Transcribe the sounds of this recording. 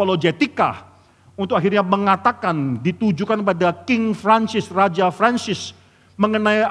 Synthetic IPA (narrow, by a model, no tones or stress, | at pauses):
olod͡ʒet̪ika̰ | unt̪ʊkaɦirɲaməŋat̪akandit̪ud͡ʒukanpadakɪŋfɾansɪsrad͡ʒafɾansɪs | məŋənaj